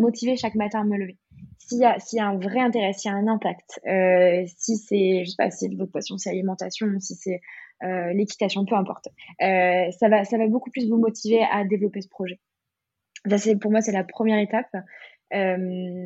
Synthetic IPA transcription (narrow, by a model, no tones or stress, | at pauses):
mɔt̪ʰiveʃakmat̪ɛ̃amələve | sijasijaɛ̃vʁɛɛ̃t̪eʁɛsijaɛ̃nɛ̃pakt̪øsisɛʒəse̥pa̰sisɛvɔt̪χpast̪jɔ̃sɛalimɑ̃t̪asjɔ̃usisɛølekʲi̥t̪asjɔ̃pøɛ̃pɔ̰ʁt̪øsavasavabokuplys̬vumɔt̪ʰivead̪evlɔpesə̥pχɔʒɛ | sasɛpuʁmwasɛlapχəmjɛʁet̪ap | øm